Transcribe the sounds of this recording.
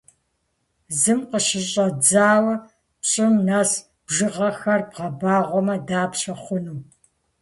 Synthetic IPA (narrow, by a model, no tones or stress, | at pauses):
zɨmqəʃɪɕʼɐd͡zaːwɐ | pɕʼɪmnaːs | b̥ʒɨʁɐxɐrbʁɐbaːʁʷɔmɐdaːpɕɐχʷʊnuː